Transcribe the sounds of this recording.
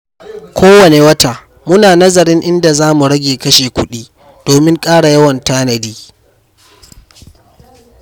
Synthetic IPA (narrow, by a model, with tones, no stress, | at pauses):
kʷʰoː˦wɐ˨ne˨wɐ˦ta˨ | mʊ˦naː˨nɐ˦zɐ˨ɾɪ˦ŋʔɪ˦nda˨zaː˦mu˨ɽɐ˦ɡʲeː˨kɐ˦ʃeː˨kʷʊ˦ɗiː˦ | d̥oː˨mɪ˦ŋkʼaː˦ɽa˨jɐ˦wɐ˨ntaː˦nɐ˨diː˦